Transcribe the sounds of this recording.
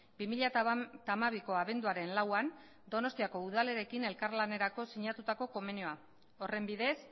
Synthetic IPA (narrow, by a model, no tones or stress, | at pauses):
bimiʎat̪t̪amaβ̞iko̞aβe̞nd̪uaɾe̞nlawan | d̪o̞no̞st̪iako̞uð̞ale̞ɾe̞kine̞lkaɾlane̞ɾako̞siɲat̪ut̪ako̞ko̞me̞nio̞a | o̞re̞mbiðe̞s